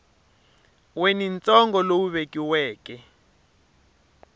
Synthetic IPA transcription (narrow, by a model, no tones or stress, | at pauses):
wenint͡sɔŋɡɔlowuβekʼiwɛːkɛ